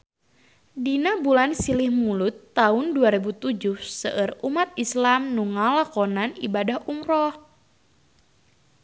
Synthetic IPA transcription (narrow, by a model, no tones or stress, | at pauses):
dinabulansilihmulʊt̪ːaʊnduaɾɛbut̪ud͡ʒʊhsəʔərumat̪̚islamnuŋalakɔnanḭbadahʔumɾɔh